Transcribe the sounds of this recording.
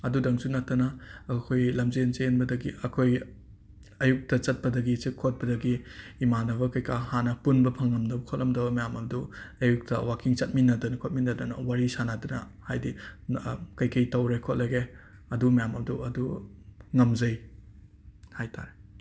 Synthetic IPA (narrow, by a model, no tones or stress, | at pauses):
ɐdudɐŋsunɐtːɐnɐːkʰojlɐmzenzenbɐdɐɡiʔɐkʰoj | ɐjuk̚tɐt͡ʃɐt̚pɐdɐɡit͡ʃikʰːot̚pɐdɐɡiːmanɐβɐkɐjkʰahanɐpunbɐpʰɐŋːɐmdɐbɐkʰot̚lɐmdɐbɐmɐjamɐbduɐjuk̚tɐ̰wakiŋt͡ʃɐt̚minːɐdunɐkʰot̚minːɐdunɐ̰waɾisanadunɐ̰ | hajdi | kɐjkʰɐjtɐwɾekʰot̚lɐɡe | ɐdumɐjamɐbduɐduŋɐmzɐj | hajtʰa̰ɾe